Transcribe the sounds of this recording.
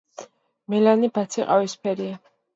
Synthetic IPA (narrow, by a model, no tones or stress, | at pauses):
mɛlanibat̪sʰiqʼa̰vispʰɛɾia